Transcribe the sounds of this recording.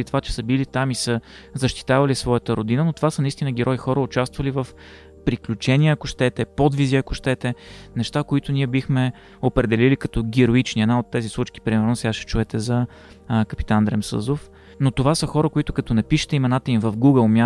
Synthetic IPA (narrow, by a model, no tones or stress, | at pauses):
it̪ovat͡ʃɛ̥səbilit̪amisə | zəʃt̪i̥t̪avɐlisvɔjət̪əɾod̪inənot̪ovasənɐist̪inəɡʲɛɾɔjixɔɾəʊt͡ʃast̪vəlivəf | pɾiklʲut͡ʃɛnʲiəɐkʊʃt̪ɛt̪ɛpod̪viziɐkʊʃt̪ɛt̪ɛnɛʃt̪akoit̪ʊniɛbixmɛ | opɾɛd̪ɛlilikɐt̪ɔɡʲɛɾoit͡ʃniɛd̪naot̪ːɛzislˠut͡ʃk̟i̥pɾimɛɾnosɛɡaʃɛ̥t͡ʃuɛt̪ɛzɐ | kɐpi̥t̪and̪ɾɛmsɤ̰zof | not̪ovasəxɔɾəkoit̪ʊkɐt̪ɔnɛpiʃɛ̥t̪ɛimɛnat̪əimvəfɡuɡəlˠmʲja